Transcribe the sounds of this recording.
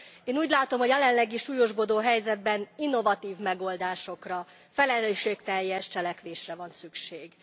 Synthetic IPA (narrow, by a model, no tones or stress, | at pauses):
eːnuːɟlaːt̪o̞mhojɛlɛnlɛɡiʃuːjo̞ʒbod̪oːɦɛjzɛd̪̚bɛninːo̞vɒt̪iːvmɛɡo̞ld̪aːʃo̞krɒ | fɛlɛløːʃeːkt̪ɛjːɛʃt͡ʃɛlɛkʋeːʃrɛvɒnsykʃeːɡ